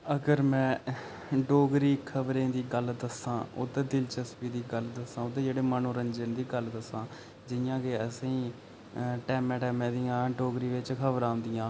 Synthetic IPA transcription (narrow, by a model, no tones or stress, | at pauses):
əɡəɾmɛ̃ː | ɖoːɡɾiːkʰəbɾẽːd̪iːɡəld̪əsãːʊ̰t̪eːd̪ɪlt͡ʃəspiːd̪iːɡəld̪əsãːʊt̪eːd͡ʒeːɽeːmənõːɾəɲd͡ʒənd̪iːɡəld̪əsãː | d͡ʒɪjãːkeəsĩː | ʈɛːmɛ̃ːʈɛːmẽːd̪ijãːɖoːɡɾiːʋɪt͡ʃkʰəbɾãːnd̪ijãː